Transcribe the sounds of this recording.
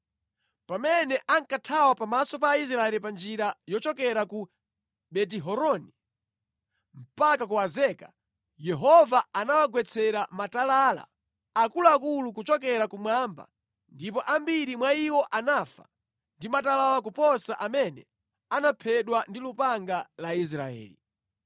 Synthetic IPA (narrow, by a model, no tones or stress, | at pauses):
pamɛnɛʔaŋkatʰawapamasɔpais̬ɾaɛlipand͡ʒiɾajɔt͡ʃɔkɛɾaku | ɓɛt̬iɦɔɾɔni | m̩pakakuwazɛkḁ | jɛɦɔvaanawaɡwɛt͡sʰɛɾamatalaːla̰ | akulakulukut͡ʃɔkɛɾakumwamba̰ | ndip̬ɔʔambiɾimwaiwɔʔanafa̰ | ndimatalalak̬upɔsaʔamɛnɛ | anapʰɛɗwandilupaŋɡalais̬ɾaɛ̰ːlḭ